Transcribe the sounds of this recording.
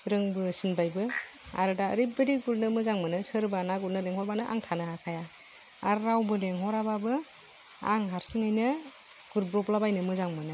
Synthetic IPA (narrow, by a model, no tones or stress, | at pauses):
ɾɯŋbɯsinbajbɯ | a̰ɾɯda̰ɾibeɾiɡulnɯmɯzaŋmɯnɯsɯɾbanaɡulnɯleŋhɔɾbanɯʔa̰ŋtʰanɯakʰaja | aɾɾawbɯleŋɦɔɾababɯ | a̰ŋɦaɾsɯŋɯjnɯ | ɡ̥uɾbɾɔplabajnɯmɯzaŋmɯnɯ